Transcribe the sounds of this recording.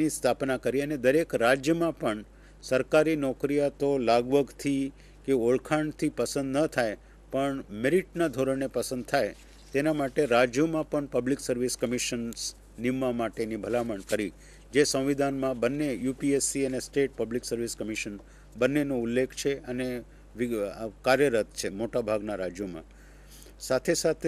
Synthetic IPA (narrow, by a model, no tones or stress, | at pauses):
nist̪ʰapnakəɾiəned̪əɾekɾad͡ʒjəmãpəɳ | səɾkaɾinɔkɾijat̪olaɡʋəɡt̪ʰi | keoɭkʰaɳt̪ʰipəsə̃nd̪nət̪ʰaj | pəɳmɪɾiʈnad̪ʱoɾəɳepəsə̃nd̪̚t̪ʰaj | t̪enamaʈeɾad͡ʒjəmãpəɳpəbliksəɾʋiskəmiʃəns | nimːamaʈenibʱəlaməɳkəɾi | d͡ʒesə̃w̃ʋid̪ʱanmãbənːejupiesiənesʈeʈ̚pəbliksəɾʋiskəmiʃən | bənːenõulːekʰt͡ʃʰeəne | ʋikaɾjəɾət̪̚ʰt͡ʃʰemoʈabʱaɡnaɾad͡ʒjomã̰ | sat̪ʰesat̪ʰe